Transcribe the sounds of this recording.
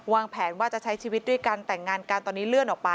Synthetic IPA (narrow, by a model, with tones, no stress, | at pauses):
waː˧ŋpʰɛː˩˦nwaː˥˩t͡ɕa˨˩t͡ɕʰa˦˥jt͡ɕʰiː˧wi˦t̪̚du˥˩jkaː˧nt̪ɛ˨˩ŋːaː˧nkaː˧nt̪ɔː˧niː˦˥lɯ˥˩ənʔɔː˨˩pa˧